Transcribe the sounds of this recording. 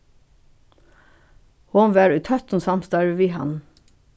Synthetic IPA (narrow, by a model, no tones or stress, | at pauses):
honʋæːɹʉːt̪ʰœt̪n̩sɑmst̪ɑɹəʋiːhɑ̰n